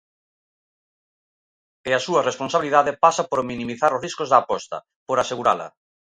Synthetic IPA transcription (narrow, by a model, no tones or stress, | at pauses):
ɪasuɐresponsaβiliðaðepasapoɾmĩnĩmiθaɾozriskozðaːpɔst̪ɐ̰ | poɾaseɣuɾa̰lɐ̰